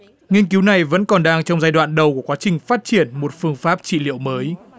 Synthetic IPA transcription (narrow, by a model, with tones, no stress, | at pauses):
ŋi˧ənki˨˦wna˨˩jvə̰˧˥nkɔ˨˩nɗaː˧ŋt͡ɕɔ˧wŋ͡mzaː˧jɗwa̰ː˧˨nɗə˨˩wku˧˩kwaː˨˦t͡ɕï˨˩ŋ̟faː˦˥t̚t͡ɕi˧˩ənmo˨˩t̚fɨ˧əŋfaː˦˥p̚t͡ɕḭ˧˨lḭ˧˨əwməː˨˦j